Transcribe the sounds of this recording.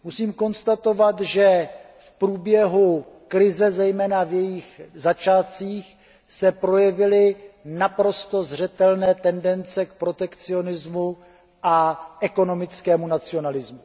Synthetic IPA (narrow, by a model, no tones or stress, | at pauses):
musiːmko̞nst̪at̪o̞vat̪ʒɛ | fpɾuːbjɛɦukɾɪzɛzɛjmɛːnavjɛjɪxzat͡ʃaːt͡siːx | sɛpɾo̞jɛvɪlɪnapɾo̞st̪o̞zr̝ɛt̪ɛlnɛːt̪ɛndɛnt͡sɛk̚pɾo̞t̪ɛkt͡sɪo̞nɪzmu | ʔaʔɛko̞no̞mɪt͡skɛːmunat͡sɪo̞nalɪzmu